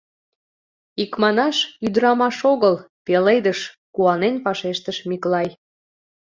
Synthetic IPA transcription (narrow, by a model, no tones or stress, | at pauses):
ikmɑnɑʃyd̪əɾɑmɑʃoɣəl | pelejd̪əʃ | kuɑnenpɑʃeʃt̪əʃmiklɑj